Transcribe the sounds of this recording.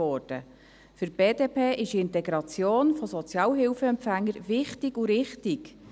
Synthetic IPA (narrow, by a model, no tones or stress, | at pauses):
ɔːrd̥ə̰ | fʏɾb̥eːdeːpʰeːʔɪʃiɪnt̪ɛɡɾɑt͡sjoːnfɔsɔt͡sjɑːlɦɪwfəɛmpfæŋːəɾʋɪχtiɡuɾɪχtiɡ